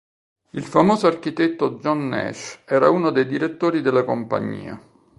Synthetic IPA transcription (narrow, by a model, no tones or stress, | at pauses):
ilfamoːzoark̟it̪et̪ːod͡ʒɔnːɛ̰ʃɛːɾauːnod̪ejd̪iɾet̪ːoːɾid̪elːakompa̰ɲːḭːa̰